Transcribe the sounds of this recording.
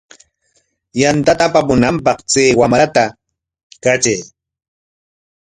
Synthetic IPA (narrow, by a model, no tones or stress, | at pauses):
jant̪at̪apamʊnampɑqt͡seːwamɾat̪a | kat͡ʃej